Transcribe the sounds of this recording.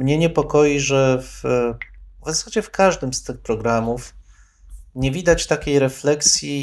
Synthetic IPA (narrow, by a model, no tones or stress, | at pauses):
mɲɛɲɛpɔkɔjiʐɛf | vzasad͡ʑɛfkʰaʐd̪ɘmst̪ɘxpɾɔɡɾamuf | ɲɛvʲid̪at͡ɕt̪akʲejɾɛflɛksʲji